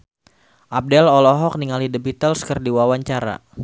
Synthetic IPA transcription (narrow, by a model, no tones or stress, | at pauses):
ʔap̚dɛlɔlɔɦɔk̚niŋalidəbit̪əlskərdiwawaɲt͡ʃaɾa̰